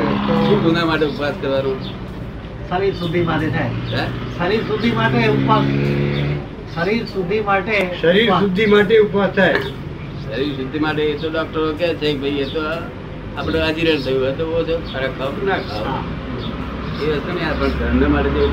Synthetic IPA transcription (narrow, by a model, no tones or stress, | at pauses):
ʃũɡunamaʈeupʋaskəɾʋanõ | ʃəɾiɾsud̪ʱːimaʈet̪ʰajaʃəɾiɾsud̪ʱːimaʈeʊpʋas | ʃəɾiɾsud̪ʱːimaʈeʃəɾiɾsud̪ʱːimaʈeupʋast̪ʰae | ʃəɾiɾsʊd̪ʱːimaʈeːt̪oɖɔk̚ʈəɾok̬et͡ʃʰek̚bʱəjet̪o | apɳead͡ʒiɾənt̪ʰəjũət̪obot͡ʃʰoaɾakʰaʋt̪ũnakʰaʋ | eəst̪unẽapəɳd̪ʱənːəmaʈed͡ʒe